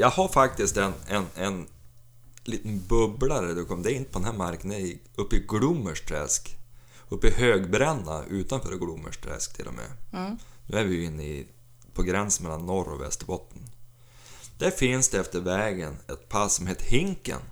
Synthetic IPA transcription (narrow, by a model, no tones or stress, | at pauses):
jɑːɡhaɾfak̚t̪ɪst̪ɛnɛnɛn | liːt̪ənbɵblaɾd̪ɔkʰɔmd̪ɛæɾɪnt̪ə̥pʰd̪ɛnæːɾmaɾknə | ɵpːɪɡlʊmːəʂʈ̪ʰɾɛ̰sk | ɵpːɪhøːɡbɾɛnːa̰ʔʉ̟ːt̪anfœ̰ːɾɡlʊmːə̰ʂʈ̪ʰɾɛ̰skt̪ʰɪlʔɔ̰mḛːnʉ̟ːæɾvɪjɪnːəɪ̰ | pʰɔɡɾɛnsən̩mɛlːanːɔɾɔ̰vɛ̰st̪əbɔt̪ːən | d̪̥æɾfɪnsd̪ɛɛft̪əɾvɛːɡənɛt̪pʰassɔmheːt̪əhɪŋkə̰n